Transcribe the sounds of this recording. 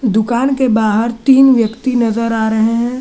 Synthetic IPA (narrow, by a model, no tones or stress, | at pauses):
d̪ʊkaːnkebaːɦəɾt̪iːnʋjəkt̪inɐzəɾaːɾɐɦeɦɛ̃ː